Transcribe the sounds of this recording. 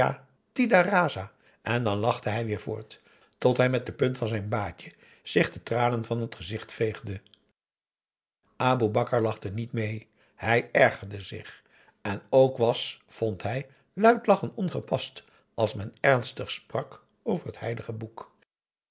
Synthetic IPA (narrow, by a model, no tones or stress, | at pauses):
a̰ | tidaraːza | ʔɛndɑnlɑχdəɦɛjʋɪːɹvʊ̰ːɹt | tɔtɦɛjmɛt̚dəpɵntfɑnzɛjnbaːcə | z̥ɪχdətraːnənvɑnɦətχəzɪχtfejχdə | ʔaːbubɑkəɹlɑχdənitmej | hɛjɛɹχəɹdəzɪ̰χ | ɛnowkʋɑsfɔntɦɛj | lœɥtlɑχəntɔnχəpɑst | ɑlˠsmɛnɛɹnstəχsprɑk | owvəɹɦəthɛjdəχəbuk